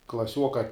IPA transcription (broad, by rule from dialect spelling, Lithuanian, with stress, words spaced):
klˠɐˈsʲuɔkɐ